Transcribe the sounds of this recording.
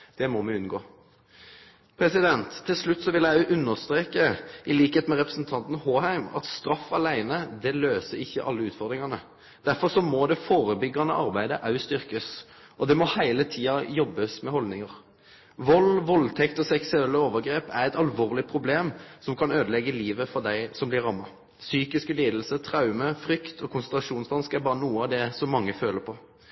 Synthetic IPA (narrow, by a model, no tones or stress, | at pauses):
d̪̥ɛmɔmɛʉnɡoː | pʰɾɛsɪd̪ɛnt̪ʰːɪlslʉt̪ːsɔʋɪlæʔʉnːəʁst̪ɾeːkəʔɪliːkheːt̪mɛʁɛpɾəsnt̪ʰɑnt̪n̩hoːhæɪmɑ̰t̪st̪ɾɑfːɑlæɪnəd̪ɛløːsəɾɪçːəʔɑ̰lːəʉːt̪fɔʁd̪ɾɪŋɑnə | d̪̥æɾfɔʁsɔmɔd̪ɛfoːɾəbʏɡːɑnə̰ʔɑʁbæɪd̪əʔɑʉst̪ʏʁkəs | ʔɔd̪ɛmɔhæɪlət̪ʰiːɑjɔbːəsmɛhɔld̪nɪŋɑʁ | ʋɔlːʋɔlt̪ʰɛkt̪ɔsɛksʉɛlːəoːʋəʁɡɾeːpæɾɛt̪ɑlʋoːʁlɪpʰɾʊbleːmsɔmkʰɑnøːd̪əlɛɡːəliːʋəfɔd̪æɪsɔmblɪɾɑmːɑ | syːkɪskəliːd̪əl̩sət̪ʰɾɑʉməfɾʏkt̪ʰɔkʰʊnsənt̪ʁɾɑʂuːnsd̪ɑnskæɾbɑːɾənuːəɑʋd̪ɛsɔmːɑŋːəføːləpʰɔ